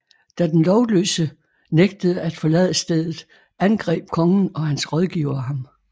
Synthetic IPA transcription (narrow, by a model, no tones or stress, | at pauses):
d̥æd̥enlɒʊlø̰sə | neɡ̥̚d̥əð̞̩ˠəæd̥fɒ̽lɛ̰ːð̰ˠəsd̥eð̰ˠð̩ˠ | ænɡ̥ʁɛ̰ːb̥̚kʰɒ̽ŋn̩ɒ̽hænsʁɒð̞ˠɡ̥iʊɐɦɑ̈m